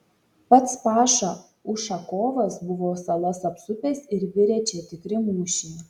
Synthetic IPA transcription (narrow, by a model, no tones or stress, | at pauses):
pɐt̪spɑːʃɑ | ʊʃɐkoːʋɐsbʊʋoːsɐlˠɐsɐpsʊpʲeːsɪɾʋʲɪɾʲɛt͡ʃʲet̪ʲɪkɾʲɪmuːʃʲiː